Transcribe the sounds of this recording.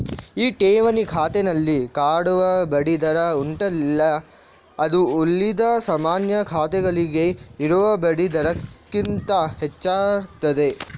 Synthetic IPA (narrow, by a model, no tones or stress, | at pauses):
iːʈeːʋɐnikʰaːt̪ɛnɐlːikaːɽuʋɐbɐɽid̪ɐɾɐuɳʈɐlilːɐ | ɐd̪uːlːid̪ɐsɐmaːnjɐkʰaːt̪ɛɡɐɭiɡe̞iɾuʋɐbɐɽid̪ɐɾɐkːint̪ɐhɛt͡ʃːaːɾt̪ɐd̪e̞